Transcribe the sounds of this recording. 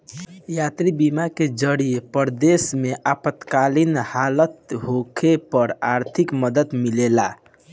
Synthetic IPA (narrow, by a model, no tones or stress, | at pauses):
jat̪ɾibimaked͡ʒəɽijepəɾd̪esmeʔapət̪kalinhalət̪ɦokʰepəɾaɾt̪ʰikməd̪ət̪milela